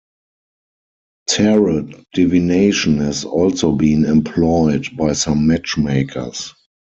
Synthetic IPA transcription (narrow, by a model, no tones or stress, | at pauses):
tʰɛɹəd̥ivineɪʃə̃nhɛzɔlsoʊbĩːnɛ̃mpʰlɔɪdbaɪsãmːæt͡ʃmeɪkʰə̰˞s